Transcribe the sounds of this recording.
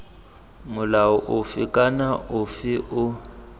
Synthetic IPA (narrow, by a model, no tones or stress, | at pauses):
mʊlaɔʔʊfɪkʼanaʊfɪʔʊ